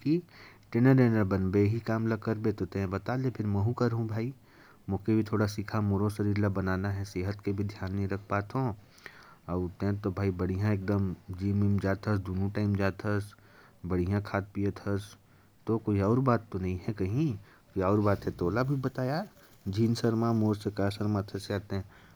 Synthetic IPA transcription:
ki | ʈɪnəɾeːnəɾbɐnbeɦikaːmlakɐɾbet̪ot̪ẽɦbɐt̪aːlepʰɪɾmɛ̃ɦũkɐɾɦũbʱaːi | mʊːkebʱit̪ʰoːɽasɪkʰamʊɾosɐɾiːɾlabɐnaːnaɦɛseːɦət̪kebʱid̪ʱjaːnːeɦĩɾɐkʰpaːt̪ɦõː | ɐbt̪ẽɦt̪obʱaːibɐɽ̤ijãeːk̚d̪əmd͡ʒiːmɪmd͡ʒaːt̪ʰəsd̪unũʈaːɪmd͡ʒaːt̪ʰəs | bɐɽ̤ijãkʰaːt̪̚pijət̪ʰəs | t̪okoːiɔːɾbaːt̪ːonɐɦĩɦɛkɐɦĩ | koiɔːɾbaːt̪ɦɛ̃t̪oːlabʱibɐt̪aːja | d͡ʒʱiːnsəɾmãmoːɾsekaːsəɾmãt̪ʰɐseaːt̪ẽɦɛ̃

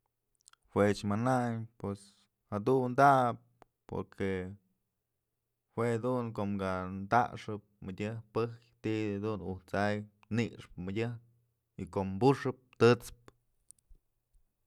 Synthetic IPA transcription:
hwet͡ʃmanajpwes | had̪und̪ap̚ | po̰ɾkʰe | hwed̪unkoʔmɡand̪a̰ʔʂɨp̚mɨdʲɨhpɨhkt̪id̪unuht͡sajniʂpmɨdʲɨh | ikoʔmbuʂɨp̚t̪ɨt͡sp̚

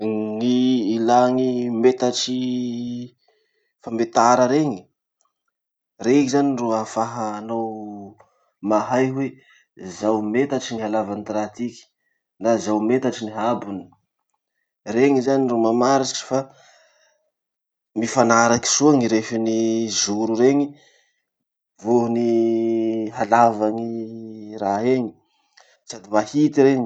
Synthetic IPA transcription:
ŋiːlaŋimet̪aʈ͡ʂi | famet̪aɾəɾeŋi̥ | reikizaniruafaɦaːnow | maɦajwe | zawmet̪aʈ͡ʂiniɦalavanit̪ɾat̪ikʲi̥ | nazawmet̪aʈ͡ʂiniɦabuni̥ | reŋizanirumamaɾiʈ͡ʂʈ͡ʂi̥fa | mifanaɾaki̥suaŋiɾefinizuɾuɾeŋi | voɦuni | ɦalavaŋiraɦeŋi̥ | sad̪imahit̪iɾeŋi

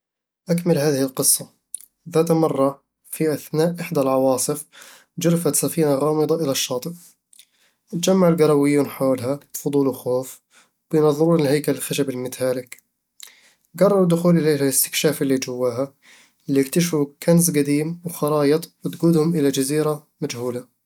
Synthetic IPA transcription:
ʔakmɪlɦaːðɪhɪlqɨsˤːɑ | ðaːt̪mɑrˤːɑ | fiʔaθnaːʔʔɪħd̪alʕɑwɑːsˤɨf | d͡ʒʊɾfat̪safiːnaɣɑːmɨd̪ˤɑʔɪlaʃːɑːt̪ˤɨf | d͡ʒamːaʕɪlɡɑɾˤɑwɪjːuːnħoːlɦafʊd̪ˤuːluxoːf | b̥ɪjnɑðˤːɨɾuːnlɦajkalxaʃabɪlmɪt̪haːlɪk | ɡɑrˤːɑɾˤʊd̪ːʊxuːlʔɪleːɦalɪst̪ɪ̥kʃaːfɪlːid͡ʒawːaːɦa | lːijɪk̚t̪aʃfukʰansɡad̪iːmwxɑɾˤɑːjɨt̪ˤwɪt̪ɡuːd̪hʊmʔɪlad͡ʒaziːɾa | mad͡ʒhuːla

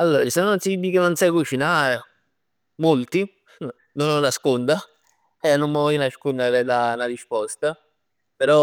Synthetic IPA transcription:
alːoːɾat͡ʃisanosid̪ikenːonsajkut͡ʃinaːɾe | molt̪i | nononaskond̪a | ɛnːommevɔjnaʃkond̪aɾɛd̪anaɾispɔst̪a | peɾɔ

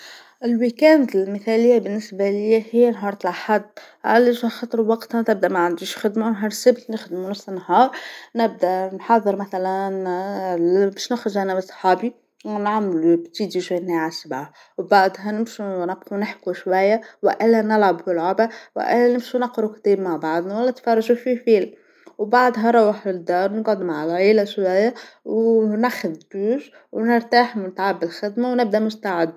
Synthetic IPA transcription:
ʔɪlwikænd̪ɪlməθælɪjːabɪnːɪsbalɪjhɪjːænɦɑɾˤɑt̪laħad̪ | ʕa̰liʃxɑt̪ˤɾwɑqt̪hat̪ɪb̚d̪æʔmæʕand̪iʃxɪd̪manɦɑɾˤsɪbt̪nɪxd̪munafsənːɦɑːɾˤnɪb̚d̪ænħɑðˤːɨɾmæθælæn | bɛːʃnɪxɾʊdʒʕanæbsˤħɑːbi | nʕamlubt̪iːd̪iʃwæjnːaʕasabʕa | wbɑʕd̪ˤɦɑnɪmʃunɑbqunɪħkuʃwæjːawɪ̰ʔɪlːænɪlʕɑbfilʕʊbaw̰ʔɪlːænɪmʃunɑqɾˤukt̪iːbmaʕbɑʕd̪ˤnwælːæt̪fɑrˤːɑʒufifiːl | wbɑʕd̪ˤɦɑɾˤɑwaħlɪd̪ːɑːɾˤnɡɑd̪maʕalʕiːlæʃwæjːawnæxʊðt̪uːʃ | wnəɾt̪aːħmʊnt̪ʕabɪlxɪd̪mawnɪb̚d̪æmʊst̪aʕɪd̪

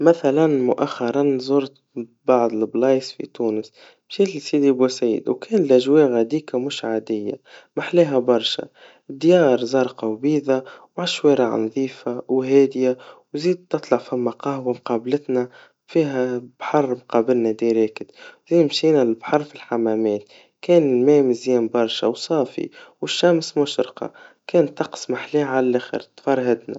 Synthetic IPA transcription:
mæθælænmʊʔaxːɑɾˤɑnzˤʊɾt̪ | bɑʕd̪ˤɪlblɑːjsfḭt̪uːnəs | mʃiːt̪lisiːd̪ibusiːd̪wkɛːnlʔæʒwɛːɣad̪iːkamʊʃʕad̪ɪjːa̰maħleːɦæbɑɾˤʃa̰ | d̪ːjɑːɾˤzˤɑːɾˤqɑwbiːðawʕaʃweːɾaʕ̰nðˤiːfawɦɛːd̪jawziːd̪̚t̪ːɨt̪ˤlɑʕfæmːaqɑhwamqɑːblɪt̪næ | fiːɦæb̥ħɑrˤːmqɑːbɪlnæd̪iɾɛːkɪd̪ziːd̪mʃiːnælɪlbħɑrˤfilħamæmɛːt̪ | kɛːnɪlmɛːmɪzjɛːmbɑɾˤʃawsˤɑːfḭwəʃːæmsmʊʃɾqɑ̰kɛːnt̪ːɑqsˤmaħliːʕalælːæxɪ̰ɾt̪fɑɾˤɦɪd̪na

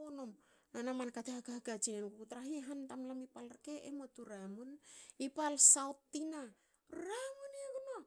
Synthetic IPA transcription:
onom | nanamankateaɡaɡat͡ʃinenkukutɾaɦiɦantamlamipalke̞ʔḛmotuɾamunipalsawtːina | ɾamuneɡuno

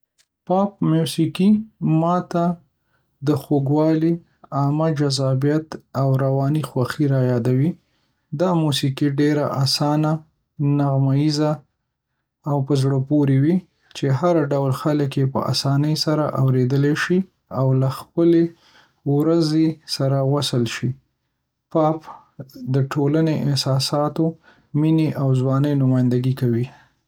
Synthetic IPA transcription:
pɑp̚mjusikimɑt̪a | d̪əxoɡwɑli | amad͡ʒazɑbijat̪awɾawɑnixwaxiɾajɑd̪awi | d̪ɑmusikiɖeɾaʔasɑna | naɣmajiza | wpəzɽəpoɾewi | t͡ʃeɦaɾɖawlxaləkjepə̰ʔa̰sɑnəjsaɾa̰ʔawɾed̪əleʃi | awlaxpəle | wɾazesaɾawasəlʃi | pɑp | d̪əʈʰolaneʔɪhsɑsɑt̪o | mineʔawzwɑnəjnʊmɑjɪnd̪aɡikawi

